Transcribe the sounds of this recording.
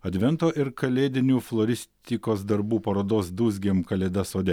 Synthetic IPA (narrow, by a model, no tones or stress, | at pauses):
ɐd̪ʲʋʲɛnt̪oːʔɪɾkɐlʲeːd̪ʲɪnʲuːflˠoːɾʲɪsʲt̪ʲikoːsd̪ɐɾbuːpɐɾoːd̪oːsd̪uːzʲɡʲemkɐlʲeːd̪ɐsoːd̪ʲɛ